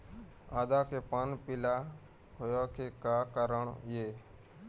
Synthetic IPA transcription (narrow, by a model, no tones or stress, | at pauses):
aːd̪aːkeːpənpɪlaː | hojokʰeːkaːkəɾəɳjeː